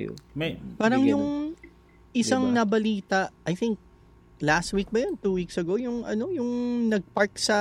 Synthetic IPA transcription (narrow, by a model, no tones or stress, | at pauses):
mpaːɾɐŋjʊŋ | ʔɪsaŋnɐbɐliːt̪ɐʔɐjθiŋk̚ | last̪̚wik̚bɐjont̪uːwiksɐɡo̞wjʊŋʔɐ̰no̞jʊŋnɐɡ̚paɹk̚sɐ